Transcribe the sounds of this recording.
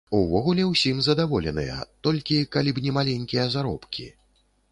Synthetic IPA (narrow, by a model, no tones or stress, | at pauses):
uvɔɣulʲɛwsʲimzɐd̪avɔlʲɛnɨ̰jɐ̰t̪ɔlʲkʲikalʲibnʲɛmalʲɛnʲkʲijɐzaɾɔ̰pkʲḭ